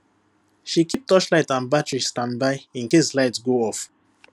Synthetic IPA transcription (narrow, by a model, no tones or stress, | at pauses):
ʃikip̚tʰɔʃlaɪtãnbatɹistãndbaɪĩnkeslaɪtsɡoɔf